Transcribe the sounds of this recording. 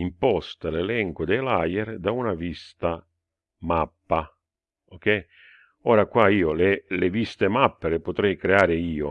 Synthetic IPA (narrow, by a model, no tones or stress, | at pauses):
impɔst̪alelɛŋkʊd̪ɛjlajeɾd̪aunavist̪a | mapːa | ok̟ɛj | ɔːɾakwaiːolelevist̪emapːelepʊt̪ɾɛjkɾeaːɾɪiːo